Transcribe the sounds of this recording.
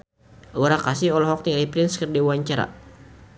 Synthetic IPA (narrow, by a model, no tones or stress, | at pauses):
uɾakasɪhɔlɔɦɔk̚t̪iŋalipɾɪnskərdiwuaɲt͡ʃaɾa̰